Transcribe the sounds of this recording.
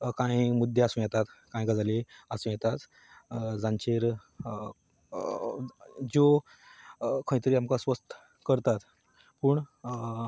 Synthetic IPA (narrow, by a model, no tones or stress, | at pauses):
kãjmud̪ʱːeasũjɛt̪at̪kãjɡad͡zaleasũjɛt̪at̪ | d͡zãɲt͡ɕeɾ | d͡ʑo | kʰə̃ĩt̪əɾiːamkasʋəst̪ | kəɾt̪at̪ | puːɳ